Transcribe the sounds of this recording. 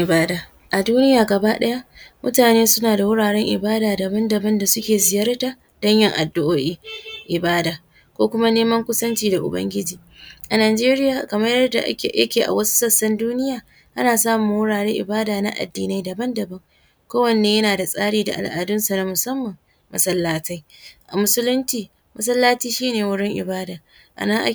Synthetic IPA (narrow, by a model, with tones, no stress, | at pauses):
baː˦daː˨ | ʔa˨duː˦nɪ˦jaː˨ɡɐ˨ba˦ɗɐ˦ja˦mʊ̰˦taː˨neː˦sʊ˦naː˨da˨wʊ˦ɽaː˨ɽɛ˦ŋʔɪ̰˨baː˦daː˨dɐ˨bɐ˦ndɐ˨bɐ˦nda˨sʊ˦kʲeː˨zɪ˨jɐ˦rta˨ | d̥ɐ˦ɲjɐ˦ŋʔa̰˨dːʊ˦ʔoː˦ʔi˦ʔɪ˨baː˦daː˨ | kʷoː˦kʷʊ˦ma˦neː˦mɐ˦ŋkʷʊ˦sɐ˦nt͡ʃiː˦da˨ʔʊ̰˨bɐ̰˦ŋɡʲɪ˦d͡ʒiː˨ | ʔa˨naː˨d͡ʒeː˦ɾɪ˦jaː˨kɐ˨mɐ˦jɐ˦rda̰˨ʔa̰˦˨jɐ̰˦kʲeː˨ʔa̰˨wɐ˦su̥˦sɐ˦sːɐ˦nduː˦nɪ˦jaː˨ | ʔa˦naː˨saː˦mʊ˨wʊ˦ɽaː˨ɽeː˦ʔɪ̰˨baː˦daː˨na̰˦ʔa̰˨dːiː˨na˦jdɐ˨bɐ˦ndɐ˨bɐ˦ŋ | kʷoː˦wɐ˨nːeː˨˦jɐ˦naː˨da˨sʼaː˦ɽiː˨da̰˨ʔa̰˨lʔa̰ː˨dʊ˦nsa˨na˦mʊ˨sɐ˦mːɐ˨ŋ | mɐ˨sɐ˦lːaː˦ta˦jʔa̰˨mʊ˦sʊ˦lʊ˦nt͡ʃiː˨ | mɐ˦s̬ɐ˦lːaː˦tiː˦ʃiː˦neː˨wʊ˦ɽɪ˦ŋʔɪ̰˨baː˦daː˨ | ʔa̰˨nɐ˦ŋʔa̰˦